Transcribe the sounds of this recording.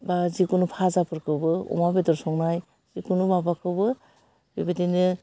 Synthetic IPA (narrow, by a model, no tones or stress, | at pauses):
bazikunupʰazapʰɯɾkʰɯbɯɔ̰mabedɔɾsɔŋnaj | z̥ikunumabakʰɯbɯ | bibadinɯ